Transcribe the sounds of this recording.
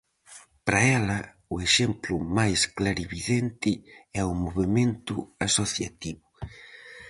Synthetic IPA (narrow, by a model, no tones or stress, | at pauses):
pɾaɛlɐ | ʊeʃemplʊmajsklaɾiβiðent̪ɪɛʊmoβemẽnt̪ʊasoθja̰t̪iβʊ